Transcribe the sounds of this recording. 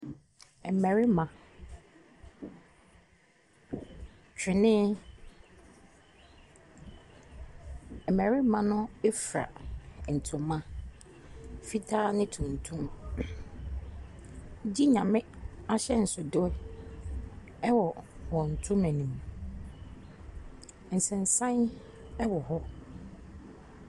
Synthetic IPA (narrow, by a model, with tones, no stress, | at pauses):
ɛ˨mæ̃˨ɾi˦mã˨ | t͡ɕᶣʰɪ˨nɪ̃˦ | ɛ˨mæ̃˨ɾi˦mã˦nʊ̃˦e˦fɾa̰˨n̩˨tʰʊ̃˨mːã˦ | fi˦tʰaː˦nɪ̃˦tʰũ˨n˨tʰũ˦m˦ | d͡ʑi˦ɲã˨mɪ̃˦a˦ɕɛ˦n̩˨sʊ˨dʊ˦ | ɛ˦wɔ˨wɔ̃˨n̩˨tʰʊ̃˦mæ̃˨nĩ˨m | n̩˨sɛ̃˨n̩˨sã˦n | ɛ˦wɔ˨ɦɔ˦